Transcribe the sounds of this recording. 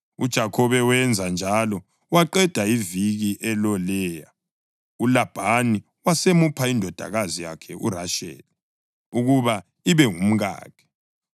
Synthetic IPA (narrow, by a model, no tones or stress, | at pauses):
ud̥ʒ̥ʱakʰɔβɛwɛnd͡zʱand͡ʒʱalɔ | waǃɛd̥ʱaiviɣiʔɛlɔlɛːja | ulab̥ʱani | wasemupʰaindʱɔd̥ʱa̰ɣazija̰kʰɛʔṵraʃɛ̰ːli | uɣuβa | iβɛŋum̩ɣa̰ːkʰɛ̥